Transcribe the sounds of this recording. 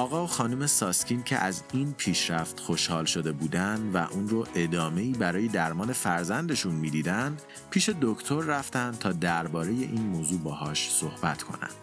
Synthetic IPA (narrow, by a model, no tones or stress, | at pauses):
ʔɒːɣɒːoxɒːnuːmesɒːscʰincʰḛʔæziːnpʰiːʃɾæft̪xo̞ʃhɒːlʃod̪e̞buːd̪ænd̪væ̰ʔuːnɾoʔe̞d̪ɒːme̞iːbæɾɒːje̞d̪æɾmɒːne̞fæɾzænd̪e̞ʃunmiːd̪iːd̪ænd̪ | pʰiːʃe̞d̪ocʰt̪ʰo̞ɾːæft̪ænd̪̚t̪ʰɒːd̪æɾbɒːɾe̞je̞ʔiːnmoːzuːbɒːhɒːʃso̞hbæt̪ʰkʰo̞̰næ̰nd̪̥